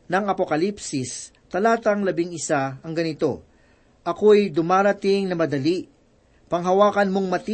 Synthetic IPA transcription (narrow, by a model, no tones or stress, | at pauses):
nɐŋɐpokɐlipsɪs | t̪ɐlaːt̪ɐŋlɐbɪŋɪsaɐŋɡɐnɪt̪o̞ | ʔɐko̞ɐjd̪ʊmaːɾɐt̪ɪŋnɐmɐd̪ɐliʔ | pɐŋɦɐwaːkɐnmoŋmɐt̪i